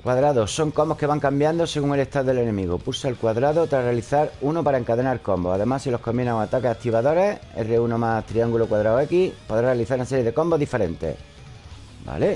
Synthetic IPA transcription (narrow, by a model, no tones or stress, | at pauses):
kwaðɾaðoso̞ŋko̞mbo̞hkeβaŋkambjand̪ose̞ɣuŋe̞le̞ht̪aðoðee̞nẽ̞miɣopusealkwaðɾaðot̪ɾare̞aliθaɾuno̞paɾae̞ŋkaðe̞naɾko̞mboaðe̞masilo̞hko̞mbinaŋoat̪akesakt̪iβaðo̞ɾe̞ḛreunomat̪ɾiaŋɡulo̞kwaðɾaoe̞kipoðɾarealiθaɾunase̞ɾjeðe̞ko̞mboðife̞ɾe̞nt̪e̞̰ | ba̰le̞